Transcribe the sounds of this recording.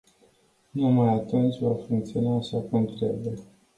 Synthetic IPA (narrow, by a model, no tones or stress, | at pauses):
numajat̪unt͡ʃʲvafuŋkt̪sionaːʃakənt̪ɾebe